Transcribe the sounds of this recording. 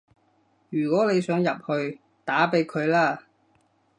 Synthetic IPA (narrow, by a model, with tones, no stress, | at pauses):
jyː˨˩kɔː˨˥ne˨˧jsœː˨˥ŋjɐ˨p̚hɵ˧ɥ | t̪aː˨˥pe˨˥jkʰɵ˨˧ɥlaː˥